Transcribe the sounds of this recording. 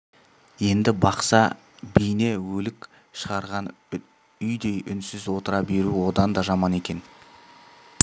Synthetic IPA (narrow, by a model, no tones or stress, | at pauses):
je̞nd̪ɪbɑqsɑ | bijne̞wɵlɪk | ʃəʁɑɾʁɑn | ʏjd̪ejʔʏnsɪzwo̞t̪əɾɑbe̞ɾuwo̞d̪ɑnd̪ɑʒɑmɑne̞kʲe̞n